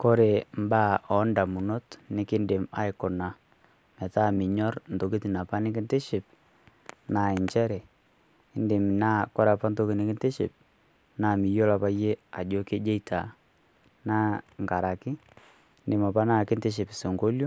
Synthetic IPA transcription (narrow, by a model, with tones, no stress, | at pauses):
ko˦ɾe˨mba˦ɔ˨nda˨mu˨no˦tnɪ˨˦kɪ˦ndɪ˨ma̰˨ɪ˨kʊ˨na˨ | mɛ˨ta˦˨mɪ˨ɲɔ˦rn˨to˨ke˦ti˨na˨pa˦nɪ˦kɪ˦ntɪ˦ʃɪ˨p̚ | na˨ɪ˨ɲt͡ʃɛ˦ɾɛ˨ | ɪ˦ndɪ˨m˨na˦kɔ˦ɾa˨pa˦nto˦ke˨nɪ˨˦kɪ˦ntɪ˦ʃɪ̰˨p̚ | na˨mɪ˨jo˦la˨pa˦je˦a˨d͡ʒɔ˦ke˦d͡ʒe˦i˨tʰa˨ | na˦ŋka˨ɾa˨kɪ˦ | ndɪ˨ma˨pa˦na˦kɪ˦ntɪ˦ʃ̬ɪ˨pɪ˨se˨ŋɡo˦ljɔ˦